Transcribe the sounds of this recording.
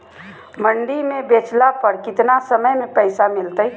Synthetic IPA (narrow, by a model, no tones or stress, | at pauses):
məɳɖimẽbet͡ʃlapəɾkɪt̪nasəməjmẽpəɪsamɪlt̪əj